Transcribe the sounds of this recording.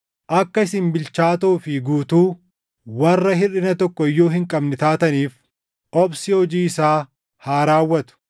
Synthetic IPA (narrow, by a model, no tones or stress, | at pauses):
ʔɐkːɐɪsɪnbɪlt͡ʃaːt̪uːfɪɡuːt̪uː | wɐrːɐhɪᶑɪnɐt̪ɔkːɔɪjːoːɦɪŋkʼɐbnɪt̪aːt̪ɐniːf | ɔbsɪhɔd͡ʒiːɪsaː | haːɾaːwːɐt̪ʊ̥